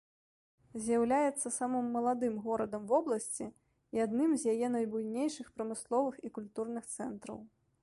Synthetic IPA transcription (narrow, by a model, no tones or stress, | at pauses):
zʲjɐwlʲajɛt̪sːɐsamɨmːɐlˠad̪ɨmɣɔɾɐd̪ɐmvɔblˠɐsʲt͡sʲi | iad̪nɨmzʲjajɛnɐjbujnʲejʂɨxpɾɐmɨslˠɔvɨxikulʲt̪urnɨxt̪sɛnt̪ɾɐ̰w